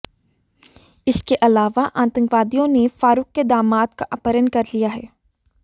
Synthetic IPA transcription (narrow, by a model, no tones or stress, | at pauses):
ɪskeʔɐlaːʋaʔãːt̪ə̃ŋkʋaːd̪ijõnefaːɾuːkːed̪aːmaːt̪̚kaʔapəɾənkɐɾlijaɦɛː